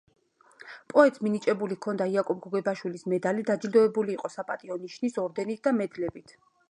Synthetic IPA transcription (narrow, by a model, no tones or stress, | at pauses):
pʼɔɛt̪ʼsminit͡ʃʼɛbulikʰɔnd̪aiakʼɔb̚ɡɔɡɛbaʃwilismɛd̪alid̪ad͡ʒild̪ɔɛbuliːqʼɔsapʼat̪ʼiɔniʃnisɔɾd̪ɛnit̪̚ʰd̪amɛd̪lɛbit̪ʰ